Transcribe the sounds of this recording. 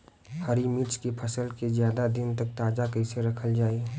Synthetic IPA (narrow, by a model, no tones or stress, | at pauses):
hɐɾimiːt͡ʃkepʰɐsəlkezjaːd̪ad̪ɪnt̪ɐk̚t̪aːd͡ʒakəɪseɾɐkʰəld͡ʒaːi